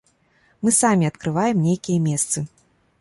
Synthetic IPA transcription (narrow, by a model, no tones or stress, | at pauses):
mɨsamʲiɐt̪kɾɨvajɛmnʲejkʲijɐmʲɛst̪sɨ